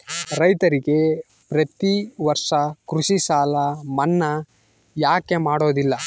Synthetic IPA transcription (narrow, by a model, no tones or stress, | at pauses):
ɾɐjt̪ɐɾiɡe̞ | pɾɐt̪iʋɐɾʂɐkɾuʃisaːlɐmɐnːɐ | jaːke̞maːɽo̞ːd̪ilːɐ